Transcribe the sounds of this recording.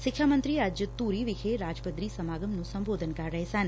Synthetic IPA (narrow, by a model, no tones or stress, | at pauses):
ʃɪkʰʃamənt̪ɾiad͡ʒjət̪uɾiʋikʰeɾad͡ʒpəd̪ɾisəmaɡəmnũsəmbod̪ʱənkaɾɛɦsan